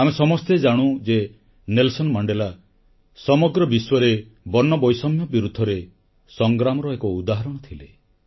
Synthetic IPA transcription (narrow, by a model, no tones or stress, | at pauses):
amesɔmɔst̪ed͡ʒaɽ̃ud͡ʒe | nelsɔnmaɳɖela | sɔmɔɡɾɔbiswɔɾe | bɔnːɔbɔjsɔmjɔbiɾud̪ʱːɔɾe | sɔŋɡɾamɔɾɔekɔud̪aɦaɾɔɽ̃ɔt̪ʰile